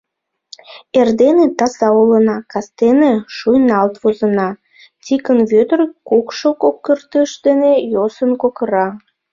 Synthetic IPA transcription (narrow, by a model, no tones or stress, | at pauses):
erd̪enet̪ɑsɑulənɑkɑst̪eneʃujnɑlt̪vozə̆nɑ | t̪ʲikənβød̪ərkukʃokokːərt̪əʃd̪enejosənkokəɾɑ